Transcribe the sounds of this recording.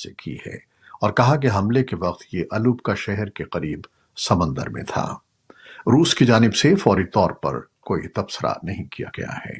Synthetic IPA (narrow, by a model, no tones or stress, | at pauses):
ekʰḭhɛ̰ː | ɔːɾkɐɦakeɦɐ̃mlekeʋɐq̚t̪jeʔɐluːbkaʃɛɦɛɾkeqɐɾiːb | sɐmə̃nd̪ə̰ɾmḛ̃t̪ʰa̰ː | ɾuːskid͡ʒaːnɪbsefɔːɾit̪ɔːɾpɐ̰ɾkoːḭt̪ɐbsəɾa̰nɐɦĩkija̰ɡɐ̰ja̰hɛ̰ː